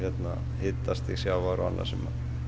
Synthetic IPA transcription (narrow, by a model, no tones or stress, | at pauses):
et̪nɑ̰ | hit̪ːɑst̪isiæʋɑrɑ̰nːɑ̰simːɑ̰